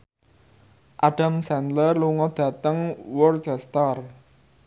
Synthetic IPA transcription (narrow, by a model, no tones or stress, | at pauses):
ʔaɖ̥amsɛnd̪lərluŋɔd̪̥ä̤t̪əŋwɔrt͡ʃɛst̪ar